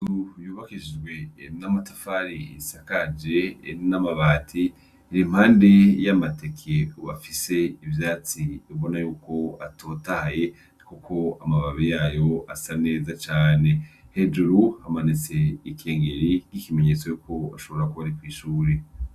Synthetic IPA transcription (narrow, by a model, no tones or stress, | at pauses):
ujuːβakid͡ʒɡwe̞namatḁfaɾiḭsakad͡ʒe̞namaβaːtʰiː | ɾim̥haːnde̞jamate̞kʰeuβa̰fise̞ivjaːt͡siuβo̞najuːko̞atʰo̞ːtahaje̞ | kukʰo̞amaβaβijaːjo̞asane̞ːzat͡ʃaːne̞he̞d͡ʒuɾuhamanit͡se̞ikʰe̞ːŋɡeɾikikime̞ɲet͡so̞jukʰo̞a̰ʃo̞βo̞ɾakuβaɾikwiːʃuːɾe